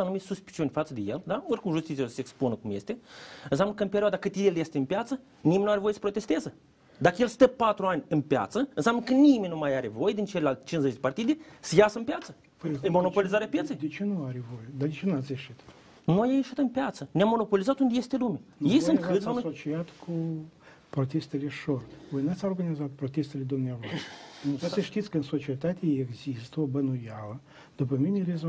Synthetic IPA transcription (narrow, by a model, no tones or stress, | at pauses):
anumit̪suspi̥t͡ʃiunʲfat̪səd̪e̞jḛld̪aorkumʒust̪it̪ijosəseːksponəkumjest̪eɨnsamnəkəɨnpeɾioad̪akɨt̪ʲileljest̪eɨnpjat̪sə | nimenuaɾevojesə̥pɾot̪est̪ezə | d̪akəjelst̪əpat̪ɾuanʲɨnpʲja̰t̪səɨnsamnəkənimenʲnumajaɾevo̞jed̪int͡ʃelʲelalt̪ʲt͡ʃinzet͡ʃd̪epart̪id̪esəjasəɨnpjat̪sə | mo̞no̞polizaɾeapjet̪ejd̪ʲt͡ʃenuaɾevojed̪ad̪ʲt͡ʃenaseʃit̪ | nuajajeʃɨt̪ənpjat̪sənʲamːonopolʲizat̪und̪ʲjest̪elumʲijejsɨnt̪kɨt̪fnsot͡ʃijat̪kʰu | pɾot̪ʲest̪ɨlʲeʂorvojnat̪saorɡanʲizat̪̚pɾot̪ʲest̪ɨlʲed̪umnʲavojʲnuaseʃt̪ʲit̪sʲkəɨnsot͡ʃiet̪at̪ʲeeɡzʲist̪əbɐnujalˠə | d̪̥upəmʲinʲeɾʲez